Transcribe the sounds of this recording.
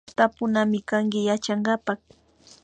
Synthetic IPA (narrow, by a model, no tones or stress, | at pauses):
t̪apʊnamɪkaŋkɪjat͡ʃaɴɢɑpɑχ